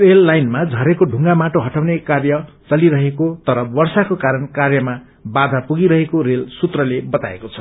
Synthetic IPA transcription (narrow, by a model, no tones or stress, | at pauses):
relːajnmad͡zʱʌɾekoɖʱuŋɡamaʈoɦʌʈawnekarjʌt͡sʌliɾʌɦekot̪ʌɾʌwʌrsakokaɾʌnkarjʌma | bad̪ʱapuɡiɾʌɦekoɾelsut̪rʌlebʌt̪aḛkot͡sʰʌ̥